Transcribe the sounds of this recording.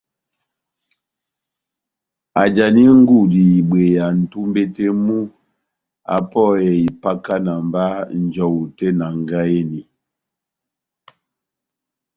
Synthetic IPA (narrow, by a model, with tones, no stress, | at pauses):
a˨d͡ʒa˨ni˦ŋ̩˦ɡu˦˨di˨i˨ɓwe˨ja˨n̩˨tu˦m˦be˦te˦mu˦ | a̰˨pɔ˦˨jɛ˨i˨pa˦ka˦na˨m˨ba˦n̩˨d͡ʒɔ˨wu˨tɛ˦na˨ŋ˨ɡa˦e˦ni˨